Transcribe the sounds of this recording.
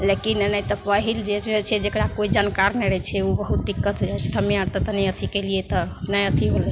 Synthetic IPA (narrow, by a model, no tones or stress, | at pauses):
lekinnɛjt̪ɔpəɦild͡ʒeet͡ʃʰɛd͡ʒekɾakoid͡ʒankaɾnɛɾɛt͡ʃʰɛubəɦut̪̚d̪ikːət̪ɦod͡ʒajt͡ʃʰɛ̥t̪ʰəmiaɾt̪ət̪ɔnɛjət̪ʰikeliet̪ɔnɛjət̪ʰiɦolɛ